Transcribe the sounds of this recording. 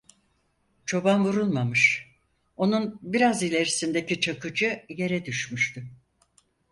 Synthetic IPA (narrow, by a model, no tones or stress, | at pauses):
t͡ʃʰo̞banvuɾulˠmamɯʃ | o̞nunbiɾazilʲe̞ɾisind̪e̞cit͡ʃʰakɯd͡ʒɯje̞ɾɛd̪yʃmyʃt̪ʰy